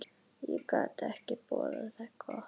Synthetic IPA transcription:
jikɑt̪æhkipuolelsɑkʰoh

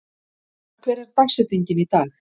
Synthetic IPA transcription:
kʰvɛːɾɛɾ̥t̪aksɛt̪iɲcɪnit̪aːl

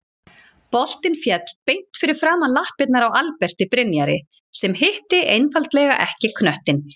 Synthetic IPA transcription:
pɔl̥t̪ɪnfjɛt̪l̥pejn̥t̪fɪɾɪɾ̥fɾaːmanlahpɪt̪̚naɾawalpɛr̥t̪ɪpɾɪnjaɾɪ̰ | sɛmhɪht̪ɪʔejnfalt̪lɛːɣa̰ʔɛhcɪkʰnœht̪ɪn

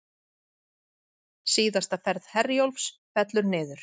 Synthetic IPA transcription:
siːðast̪afɛɾð̥hɛrjolfsfɛt̪lʏɾnɪːðʏɾ̥

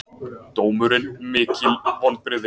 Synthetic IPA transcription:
tt̪oːwmʏɾɪnmɪːcɪlɔnpɾɪðɪ

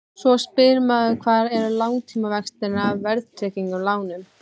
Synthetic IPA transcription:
svɔspɪɾmaðʏkʰvaːðɛɾʏlawŋt̪ʰiːmavɛkst̪ɪɾnaːvvɛɾðt̪ʰɾɛːciŋkʏɾlaːwnʏm

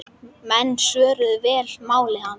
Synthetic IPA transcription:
mɛnːsœːɾʏðvɛːlmaːwlɪhan

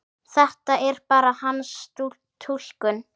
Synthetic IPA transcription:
θɛht̪aʔɛɾ̥paːɾahanst̪u | t̪ʰul̥kʏn

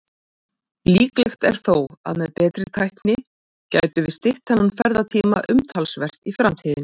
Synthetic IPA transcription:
liːklɛxt̪ɛ̰ɾ̥θowa̰ðmɛðpɛːt̪ɾɪt̪ʰajhknɪ | ca̰jt̪ʏvɪst̪ɪht̪hɛnːanfɛɾðat̪ʰiːma̰ʔʏmt̪ʰalsvɛr̥t̪ifɾamt̪ʰiːðɪn

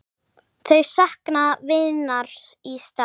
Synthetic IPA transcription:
θœɥsahknavɪðnaɾ̥sist̪a

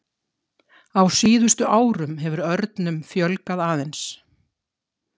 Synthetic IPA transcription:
awsiːðʏst̪ʏʔaːwɾʏmɦɛvʏɾœɾt̪nʏmfjœlkaðaːðɛns

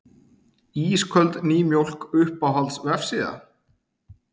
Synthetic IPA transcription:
iːskʰœlt̪niːmjowl̥kʏhpawɦalt̪svɛfsɪða̰

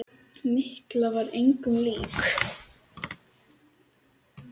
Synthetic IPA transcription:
mɪhklavaɾejŋkʏmliːk

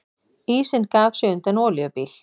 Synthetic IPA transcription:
iːsɪnkaːvsʏʏnt̪ɛnɔːljʏpiːl̥

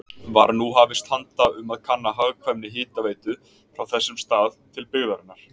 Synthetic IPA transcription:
va̰ɾnuɦavɪst̪hant̪aʏmaðkʰanːaɦaɣkʰvɛmnɪɦɪːt̪aveːjt̪ʏ | fɾawθɛsːɪmst̪aːðt̪ʰɪlpɪɣðaɾɪnːaɾ̥

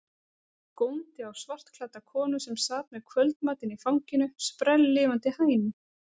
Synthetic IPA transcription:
kownt̪ɪawsvar̥t̪kʰlaːt̪akʰɔːnʏsɛmsaːt̪mɛðkʰvœlt̪maːt̪ɪnifawɲcɪnʏspɾɛlːɪːvant̪ɪhaːjnʏ

